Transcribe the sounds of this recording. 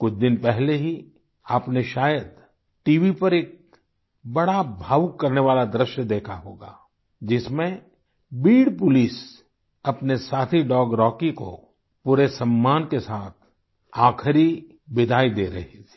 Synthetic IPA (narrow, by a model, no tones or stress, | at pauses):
kʊt͡ʃʰd̪ɪnpɛɦleɦi | aːpneʃaːjəd̪ | ʈiːʋipɐɾeːk̚ | bɐɽabʱaːʋkːɐɾneʋaːlad̪ɾɪʃjəd̪eːkʰaɦoːɡa̰ː | d͡ʒɪsmẽ | biːɽpʊliːs | ɐpnesaːt̪ʰiɖɔːɡɾɔːkiko̰ | puːɾesɐ̃mːaːnkesaːt̪ʰ | aːkʰɾi | bɪd̪ʱaːid̪eːɾɐɦit̪ʰi̥ː